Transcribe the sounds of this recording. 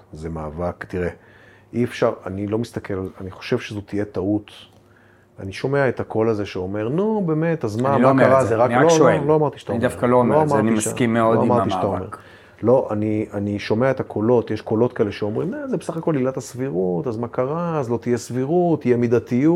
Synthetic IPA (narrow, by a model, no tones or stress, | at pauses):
zemaːvakt̪iʁe | ʔiefʃaʁa̰nilo̞mist̪akʰelalaniχo̥ʃe̞vʃezot̪ije̞t̪aut̪ | aniʃo̞me̞aet̪akʰo̞lazeʃeo̞me̞ʁnube̞ːme̞t̪azmmalamkaʁazeʁakloeloamaʁt̪iʃt̪aid̪afkalomleoamanimaskimːeod̪oamaʁiʃeat̪aommeʁ | lo̞ʔanianiʃo̞me̞aetakʰolo̞t̪jeʃko̞lo̞tkaeleʃeo̞mʁimazebesaχako̞lːilat̪asviʁutazmakaʁaːzlo̞t̪ijesviʁut̪ːijemid̪at̪iu